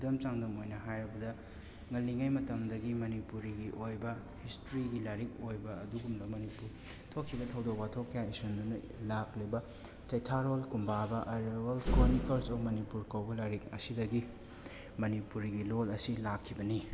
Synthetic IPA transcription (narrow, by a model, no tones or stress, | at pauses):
dɐmt͡ʃaŋdɐmojnɐɦajɾɐbɐdɐ | ŋɐlːiŋajmɐtɐŋdɐɡimɐnipuɾiɡiʔojbɐ | histɾiɡilaɾik̚ojbɐɐduɡumdɐmɐnipuɾ | tʰokʰːibɐtʰɐwdok̚patʰokʰːɐjaisundunɐ | laklibɐ | t͡ʃɐjtʰaɾolkumbabɐʔɐɾewɐlkɾonikɐlsopmɐnipuɾkɐwbɐlaɾik̚ɐsidɐɡi | mɐnipuɾiɡilolɐsilakʰːibɐni